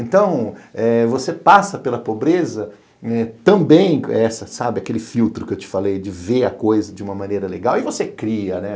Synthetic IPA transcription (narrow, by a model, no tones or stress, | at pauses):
ẽnt̪ɐ̃w̃ɛvosepasɐpelɐpobɾezɐ | ɛt̪ɐ̃bẽj̃ɛsɐsabɪakelɪfiwt̪ɾʊkɪewt͡ʃɪ̥falejd͡ʒɪveɐkojzɐd͡ʒɪũmɐmɐ̃nejɾɐleɡawɪvosekɾiɐnɛ